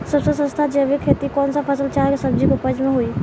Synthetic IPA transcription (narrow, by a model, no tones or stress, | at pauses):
səbsəsə̃st̪ʰad͡ʒeʋikʰet̪ikɔnsəpʰəsəlt͡ʃaɦksəb̚d͡ʒikupəd͡ʒmeɦoi